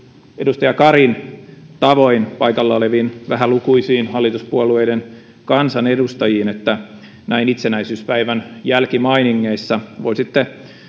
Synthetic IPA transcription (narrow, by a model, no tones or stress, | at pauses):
edust̪ɑjɑkɑɾint̪ɑʋoinpɑikɑlːɑoleʋiːnʋæɦælukuisiːnhɑlːit̪uspuolueiden | kɑnsɑnedust̪ɑjiːnet̪ːæ | næinit̪senæisyːspæiʋænjælkimɑiniŋːeisːɑʋoisit̪ːe